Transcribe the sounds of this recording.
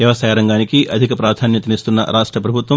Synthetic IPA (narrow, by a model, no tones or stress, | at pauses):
jɐʋɐsɐːjɐɾɐŋɡaːnikiʔɐd̪ʱikɐpɾaːd̪ʱaːnjɐt̪ɐnist̪unːɐ̰ɾaːʂʈɾɐpɾɐbʱut̪ʋɐ